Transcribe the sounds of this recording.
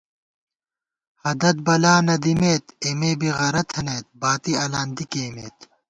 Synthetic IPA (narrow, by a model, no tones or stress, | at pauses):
hɐd̪ɐt̪̚bɐlaːnɐd̪imeːt̪emeːbiɣɐɾɐt̪ʰɐneːt̪̚baːt̪iɐlaːnd̪ikeːmeːt̪